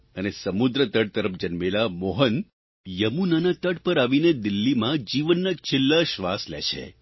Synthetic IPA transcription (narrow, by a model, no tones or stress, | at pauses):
ənesəmud̪ɾət̪əɽ̚t̪əɾəfd͡ʒənmelamoɦən | jəmunanat̪əɽpəɾaʋined̪ɪlːimãd͡ʒiʋənːət͡ʃʰɪlːaʃʋaslḛʃʰḛ